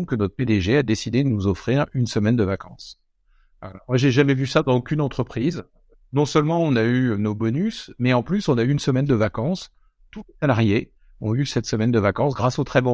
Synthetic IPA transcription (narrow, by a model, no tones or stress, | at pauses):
kənɔt̪χəped̪eʒead̪esid̪ed̪ənuzɔfχiʁynsəmɛnd̪əvakɑ̃s | vala̰mwaʒeʒamɛvysad̪ɑ̃okʲynɑ̃t̪χəpχiz | nɔ̃sœlmɑ̃ɔ̃naynobɔnysmɛɑ̃plysɔ̃nayːnsəmɛnd̪əvakɑ̃s | t̪ulesalaʁje | ɔ̰̃ysɛt̪səmɛnd̪əvakɑ̃sɡʁasot̪χɛbɔ̃